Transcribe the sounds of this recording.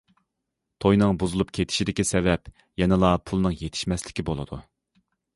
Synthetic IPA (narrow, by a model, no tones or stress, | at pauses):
t̪ʰojnɨŋbuzulˠupkʲʰet̪ʰɪ̥ʃid̪ɪkʲɛsɛvɛp | jɛnɨlˠɑpʰulˠnɨŋjet̪ʰɪ̥ʃmɛslɪ̥kʲibolˠɨ̰d̪ṵ